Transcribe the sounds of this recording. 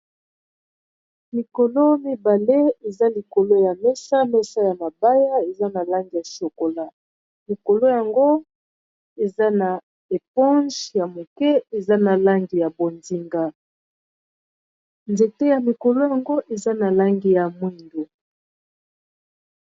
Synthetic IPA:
mi˨ko˨lo˦mi˦ba˨le˦e˨za˦li˨ko˨lo˦ja˨mɛ˦sa˦mɛ˦˨sa˦ja˨ma˨ba˦ja˦e˨za˦na˨la˦ŋɡi˨ja˨so˨ko˨la˦ | li˨ko˨lo˦ja˨ŋɡo˦ | e˨za˦na˨ | e˨p̚ɔ̃˦nʒja˨mo˨kɛ˦e˨za˦na˨la˦ŋɡi˨ja˨bo˨nzi˦ŋɡa˦ | nze˨te˦ja˨mi˨ko˨lo˦ja˨ŋɡo˦ʔe˨za˦na˨la˦ŋɡi˨ja˨mwi˦ndo˨

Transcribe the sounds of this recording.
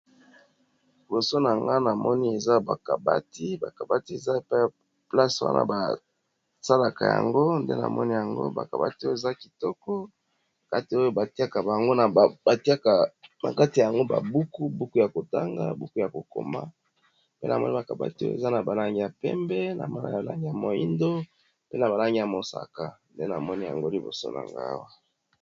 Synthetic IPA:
bo˨so˦na˨ŋɡa˦na˨mɔ˦ni˦e˨za˦ba̰˨ka˨ba̰˦ti˦ba˨ka˨ba˦ti˦e˨za˦e˨pa˦˨ | pla˦swa̰˦nʔa̰˦ba˨ | sa˦la˨ka˨ja̰˨ŋɡo˦ndḛ˦na̰˨mɔ̰˦ni˦ja˨ŋɡo̰˦ba̰˨ka˨ba̰˦ti˦o˦je˨za˦ki˨tɔ˦kɔ˦˨ | ka˦ti˨o˦jo˦ba˨ti˦a˦ka˨ba˨a˨ŋɡo˦n˨ba˨ti˦a˦ka˨na̰˨ka˦ti˨a˨a˨ŋɡo˦ba̰˨bu˦ku˦bu˦ku˦ja˨ko˨ta˦ŋɡa˦bu˦ku˦ja˨ko˨ko̰˨ma̰˦ | pe˦na̰˨mɔ̰˦ni˦ba˨ka˨ba̰˦ti˦o̰˦ḛ˨za˦na˨ba˨la˦ŋɡi˦ja˨pɛ˦mbɛ˦na̰˨ma˦la̰˦ja˨la̰˦ŋɡi˦ja˨mo˨ji˦ndo˦ | pe˦na˨ba˨la˦ŋɡi˦ja˨mo˨sa̰˨ka˨nde˦na˨mɔ˦ni˦ja̰˨ŋɡo˦li˨bo̰˨so̰˦nʔa̰˨ŋɡa̰˦wa˦

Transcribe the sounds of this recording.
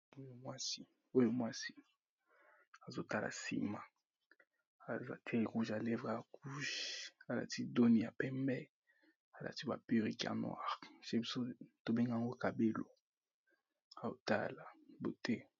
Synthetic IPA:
o˦jo˦mwa˦si˦ | o˦jo˦mwa˦si̥˦ | a˨zo˦ta˦la̰˨sḭ˦ma˨ | a˨za̰˦tʰɛ˦˨ʁu˦ʒa˨lɛ˦vʁa˨ku˦ʃa˨la̰˨ti˦do˦ni˨ja˨pɛ˦mbɛ˦ | a˨la̰˨ti˦ba̰˨pi˦ʁi˦ka̰˨nwa̰˦˨ʁʃe˦bi˨˦so˦to˨be˦ŋɡa˦˨ŋɡo˦ka˨be˦lo̰˨ | a˨o˨ta̰˦la˨bo˨tɛ˦

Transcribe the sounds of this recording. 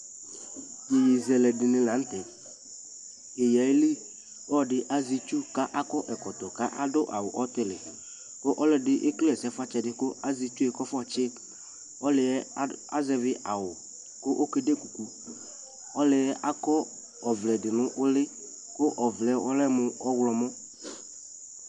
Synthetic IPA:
je˨ji˨zɛ˨lɛ˨dɪ˨nɪ̃˨lã˨˦n̩˦t̪ɛ˨ | e˨ja˨i˦li˦ | ɔ˦dɪ˦ʔa˦zi˦t͡ʃu˦ka˦ʔa˦kɔ˦ʔɛ˨kɔ˨t̪ɔ˨ka˦ʔa˦dʊ˦ʔa˨wʊ˨ʔɔ˦t̪ɪ˦lɪ˨ | kʊ˦ʔɔ˦lɪ˦dɪ˦ʔɪ˦klɪ˦ɛ˨sɛ˦fa˦t͡ʃɛ˦dɪ˦kʊ˦a˦zi˦t͡ʃu˦ɛ˨kɔ˦fɔ˦t͡ʃɪ˦ | ɔ˦lɪ˨˦a̰˦zɛ˨vɪ˦ʔa˨wʊ˨ | kʊ˦ʔo˦ke˦de˦ku˨ku˦ | ɔ˦lɪ˨ɛ˦ʔa˦kɔ˦ | ɔ˨vlɛ˨dɪ˨nʊ̃˦ʔʊ˦lɪ˦ | kʊ˦ʔɔ˨vlɛ˦wɔ˦lɛ˦mʊ˨˦ɔ˦wlɔ˨mɔ˦

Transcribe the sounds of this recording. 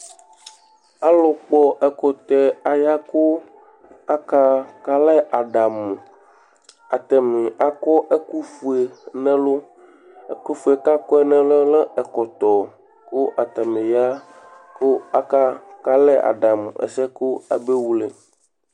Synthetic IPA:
a˦lɔ˨k͡pɔ˦ʔɛ˨kɔ˨t̪ɛ˨a˨ja˦ko˦ | a˦ka˦ka˦lɛ˦ʔa˨ɖa˨m˨ | a˨t̪ɛ˨mẽ˨ʔa˨kɔ˦ʔe˦ku˦fu˨e˨nɛ̃˦lo˦ | e˦ko˦fu˨˦e˨ka˦kɔ˦ɛ˨nɛ̃˦lɛ˦lɛ˦ɛ˨kɔ˨t̪ɔ˨ | ko˦ʔa˨t̪ɛ˨mẽ˨ja˦ | ko˦a˦ka˦ka˦lɛ˦ʔa̰˨ɖa˨m˨ɛ̰˨sɛ˦ko˦a̰˨be˦wu˦le˨

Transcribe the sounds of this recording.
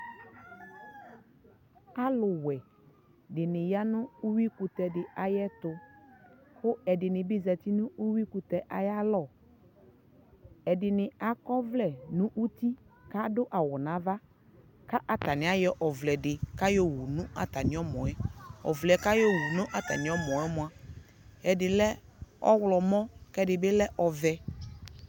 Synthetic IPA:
a˦lʊ˨wɛ˨ | dɪ˨nɪ̃˨ja˦nʊ̃˦u˦wi˦ku˨t̪ɛ˨dɪ˨ʔa˨jɛ˦t̪ʊ˨ | xʊ˦ɛ˨dɪ˨nɪ̃˨bɪ˦zɛ˨t̪i˦nʊ̃˦u˦wi˦ku˨t̪ɛ˨ʔa˨ja˦lɔ˦˨ | ɛ˨dɪ˨nɪ̃˨a˨kɔ˦vlɛ˨nʊ̃˦ʔu˦t̪i˦ka˦dʊ˦ʔa˨wɔ˨nã˨˦va˦ | ka˦ʔa˨t̪a˨nɪ̃˨a˦jɛ˦ʔɔ˨vlɛ˨dɪ˨ka˦jɔ˦wu˨nʊ̃˦ʔa˨t̪a˨nɪ̃˨ɔ˦mɔ̃˨ɛ˦ɔ̰˨vlɛ˨˦ka˦jɔ˦wu˨nʊ̃˦ʔa˦t̪a̰˨nɪ̃˨˦ɔ˦mɔ̃˨ɛ˦mʊ̃˨a˨ | ɛ˨dɪ˨lɛ˦ɔ̰˦wlɔ˨mɔ̃˦kɛ˦dɪ˨bɪ˦lɛ˦ʔɔ˨vɛ˨

